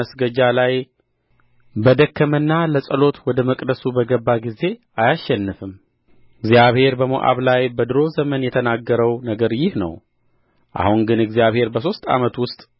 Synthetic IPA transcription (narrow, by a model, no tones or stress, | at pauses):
əsɡəd͡ʒalaj | bəd̪əkːəmɨnːaləsʼəlo̞t̪wɔd̪əməkʼd̪əsubəɡəbːaɡize̞ | ajaʃːɛnːɨfɨm | ɨɡzjaβhe̞ɾbəmo̰ʔa̰βlajbəd̪ɨɾo̞zəmənjɛt̪ʰənaɡːəɾəwnəɡəɾjɪhnə̰w | ʔa̰huŋɡɨnɨɡzijaβhe̞ɾbəso̞st̪ʼa̰mət̪wʊst̪ʼ